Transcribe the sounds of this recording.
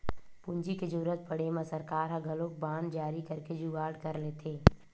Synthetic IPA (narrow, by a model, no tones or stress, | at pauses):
puɲd͡ʒiked͡ʒuːɾət̪̚pəɽemẽsəɾkaːɾɦãɡʱɐlõkbãːnd̪d͡ʒaːɾikəɾked͡ʒuɡaːɽkəɾleːt̪ʰeː